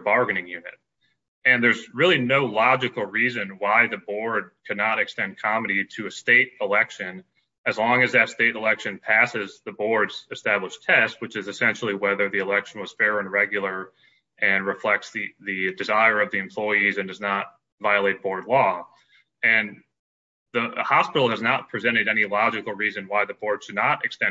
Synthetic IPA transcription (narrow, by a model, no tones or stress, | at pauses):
bɑɹɡɨnɪ̃ŋjʉnɨ̰t̚ | ɨ̃nðə˞zɹɪlˠinoʊlɑd͡ʒɨkl̩ˠɹizɨ̃nwaɪðɨbɔɹd̚kʰɨdⁿnəɾɨkstɛ̃nd̚kʰɑmɨɾiɾɨɨsteɪɾəlɛkʃɨ̃n | ɨzlɔ̃ŋɨzðɨtsteɪɾəlɛkʃɨ̃npʰæsɨzðɨbɔɹdz̥ɨstæbləʃtʰɛst̚wɨt͡ʃɨzɨsɛ̃nʃl̩ˠiwɛðə˞ðiəlɛkʃn̩wʌz̥fɛɹɨ̃nɹɛɡjl̩ˠə˞ | ʔɨ̃nɹɨflɛk̚tsðɨðɨdɨzaɪə˞ʌvðiɨ̃mpʰl̥ɔɪizɨ̃ndʌznət̚ | vaɪəleɪt̚b̥ɔɹdˡlɔ | ɨ̃n | ðəhɑspɪɾl̩ˠɨznət̚pʰɹ̥izɛ̃ɾ̃ɨɾɛñilɑd͡ʒɨkl̩ˠɹizɨ̃nwaɪðɨbɔɹd̥ʃɨdⁿnəɾɨkstɛ̃